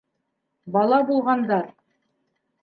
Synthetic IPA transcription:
bɑlˠɑbulˠʁɑnd̪ɑɾ

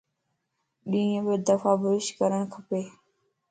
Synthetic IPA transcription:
ɗĩːbəd̪əfaːbʊɪʃkəɾəɽkʰəpeː

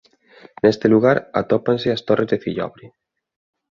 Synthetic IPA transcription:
nest̪eluɣ̞aɾa̰t̪ɔpansɪast̪orʔezðefiʎɔ̰βɾi

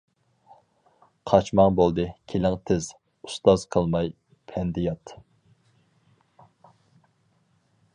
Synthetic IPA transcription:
qʰɑt͡ʃmɑŋbolˠd̪ɨkʲʰelɪŋt̪ʰɪz | ust̪ɑz̥qʰəlˠmɑj | pʰɛnd̪ɪjɑt̪

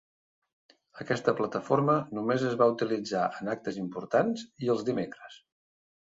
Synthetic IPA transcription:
əkɛst̪əplət̪əfoɾmənumezəzβaut̪ilid͡zaʔənak̚t̪əzimpuɾt̪anziəlˠzd̪imekɾəs

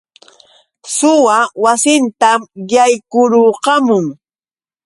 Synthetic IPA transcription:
sʊwawasɪnt̪amjajkʊɾoːqɑmʊŋ

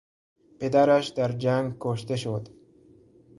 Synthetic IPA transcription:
ped̪aɾaʃd̪aɾd͡ʒaŋɡkoʃt̪eʃod̪

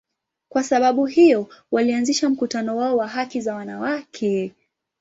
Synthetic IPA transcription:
kwasaɓaɓuɦijɔwalianziʃam̩kutanɔwaɔwaɦakizawanawakʰɛ

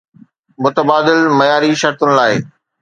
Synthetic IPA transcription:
mʊt̪əbaːd̪ɪlmɐjaːɾiʃɐɾt̪ʊnɪ̆laːɪ

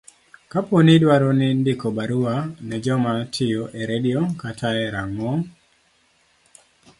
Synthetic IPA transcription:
kaponɪdwaɾonɪndɪkɔbaɾuanɛd͡ʒɔmatʰɪjoʔeɾediokatʰaɛɾaŋɔŋ

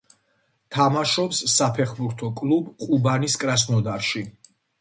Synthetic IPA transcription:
t̪ʰamaʃɔpsːapʰɛχbuɾt̪ʰɔkʼlˠubqʼubaniskʼɾasnɔd̪aɾʃi

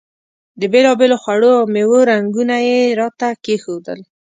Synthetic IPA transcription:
d̪əbelɑbeloxwaɽoawmewoɾaŋɡunajeɾɑt̪akexod̪ə̰l

